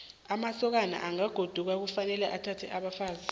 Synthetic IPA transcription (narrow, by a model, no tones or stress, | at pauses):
amasɔk̬ana̰ʔaŋaɡ̥ʱod̥ʱuk̬ak̬ufanɛlɛʔatʰatʰɛʔaɓafaːzi